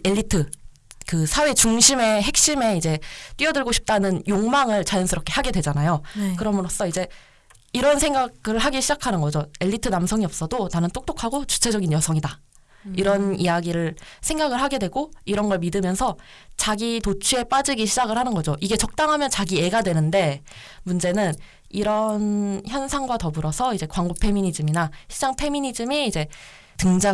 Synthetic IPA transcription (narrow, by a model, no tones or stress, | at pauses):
e̞ʎːitʰɯ | kɯsʰawe̞t͡ɕuŋɕʰime̞ɦe̞k̚ɕ͈ime̞id͡ʑe̞t͈ɥiʌdɯɭɡoɕʰi̥p̚t͈anɯnjoŋmaŋɯɭt͡ɕajʌnsʰɯɾʌp̚kʰe̞haɡe̞dwe̞d͡ʑanajokɯɾʌmɯɾos͈ʌid͡ʑe̞ | iɾʌnsʰe̞ŋɡaɡɯɭɦaɡiɕʰid͡ʑakʰanɯnɡʌd͡ʑoe̞ʎːitʰɯnamsʰʌŋiʌp̚s͈ʌdonanɯnt͈ʰok̚t͈okʰaɡot͡ɕu̥t͡ɕʰe̞d͡ʑʌɡinjʌsʰʌŋida | iɾʌnijaɡiɾɯɭsʰe̞ŋɡaɡɯɭɦaɡe̞dwe̞ɡoiɾʌnɡʌɭmidɯmjʌnsʰʌ | t͡ɕaɡitot͡ɕʰue̞p͈ad͡ʑiɡiɕʰid͡ʑaɡɯɭhanɯnɡʌd͡ʑoʔiɡe̞t͡ɕʌk̚t͈aŋɦamjʌnt͡ɕaɡie̞ɡadwe̞nɯnde̞ | mund͡ʑe̞nɯn | iɾʌnçjʌnsʰaŋɡwatʌbɯɾʌsʰʌid͡ʑe̞kwaŋɡopʰe̞miɲid͡ʑɯminaɕʰid͡ʑaŋpʰe̞miɲid͡ʑɯmiːd͡ʑe̞ | tɯŋd͡ʑa